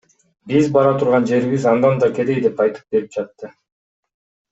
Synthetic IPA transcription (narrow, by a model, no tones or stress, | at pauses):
bizbɑɾɑt̪ʰuɾʁɑnd͡ʒe̞ɾiβizɑnd̪ɑnd̪ɑkʲe̞d̪ejd̪epɑjt̪ɯ̥p̚be̞ɾip̚d͡ʒɑt̪ːɯ